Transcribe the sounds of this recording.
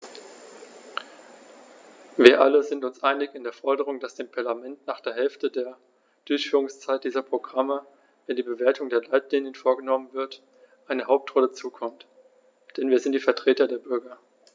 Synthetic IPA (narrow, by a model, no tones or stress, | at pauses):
viːɐʔa̰ləzɪntʊnsʔaɪnɪçɪndeːɐfɔɐdəʁ̞ʊŋd̥asd̥eːmpʰaɐlamɛntnaːχd̥eːɐɦɛlftədeːɐ | d̥ʊɐçfyːʁʊŋst͡saɪt̚d̥iːzɐpʁ̥oɡʁamə | vɛndiːbəveːɐtʰʊŋdeːɐlaɪtliːnənfoːɐɡənɔmənvɪɐt | ʔaɪnəhaʊp̚tʁ̥ɔlət͡suːkʰɔmt | d̥ɛnviːɐzɪntd̥iːfɛɐtʁ̥eːtɐdeːɐbʏɐɡɐ